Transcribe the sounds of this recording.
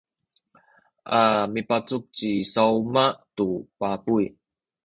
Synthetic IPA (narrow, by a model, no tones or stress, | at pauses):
ʔamipat͡suk̚t͡ɕisawmatupapuj